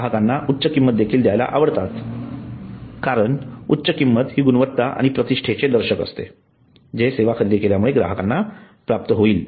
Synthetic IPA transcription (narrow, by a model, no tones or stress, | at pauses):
ɡaɦəkanːaʔutːɕəkimːət̪̚d̪ekʰiːld̪jajla̰ʔaʋəɽt̪at̪ | kaɾəɳutːɕəkimːət̪ɦiːɡunʋət̪ːaʔa̰ɽ̃ipɾət̪iʂʈʰet͡sed̪əɾɕəkə̰st̪ḛ | d͡ʑeseʋakʰəɾid̪ikeljamuɭeɡɾa̰ɦəkanːa | pɾap̚t̪əɦoiːl